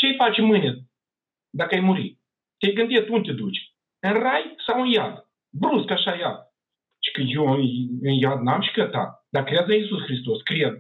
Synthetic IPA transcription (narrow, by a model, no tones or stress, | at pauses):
t͡ʃejfat͡ʃɪmɨnʲət̪̚ | d̪akajmuɾḭ | t̪ʲejɡɨnd̪ʲet̪unt̪ʲɪd̪ut͡ʃ | ɨnrajsawɨnjad̪ | bɾuskaʃajad̪̚ | t͡ʃi̥kɨjuɨnjad̪namʃi̥kət̪a̰d̪akɾʲad̪ɨisusxɾis̬t̪oskɾʲɛd̪̚